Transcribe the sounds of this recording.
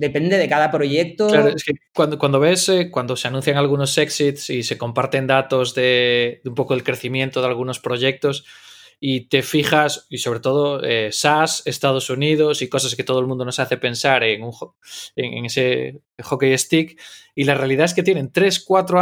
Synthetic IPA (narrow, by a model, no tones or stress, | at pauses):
d̪epend̪eðekaðapɾoʝek̚t̪oklaɾoeskekwand̪okwand̪oβe̞sekwand̪o̞seanũn̟θjaŋalɣ̞uno̞seksit̪sise̞ko̞mpaɾt̪e̞nd̪at̪o̞zðe̞d̪umpo̞ko̞ðelkɾe̞θimjẽ̞nt̪oðalɣ̞uno̞spɾo̞ʝe̞k̚t̪o̞s | it̪e̞fiχasiso̞β̞ɾe̞t̪o̞ð̞o̞esase̞st̪að̞o̞suniðo̞siko̞sasket̪o̞ð̞olmũnd̪o̞no̞saθe̞pẽ̞nsaɾeŋuŋ | ḛŋḛŋese | χo̞keje̞st̪ikilarealiðaes̬ke̞t̪̬je̞ne̞nt̪ɾe̞skwat̪ɾo